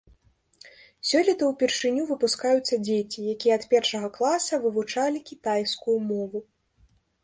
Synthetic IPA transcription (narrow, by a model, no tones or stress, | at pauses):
sʲɔlʲit̪ɐwpʲirʂɨnʲuvɨpuskajut̪sːɐd͡zʲet͡sʲijakʲijɛɐt̪pʲɛrʂɐɣɐklˠasɐvɨvut͡ʂalʲikʲit̪ajskujumɔvu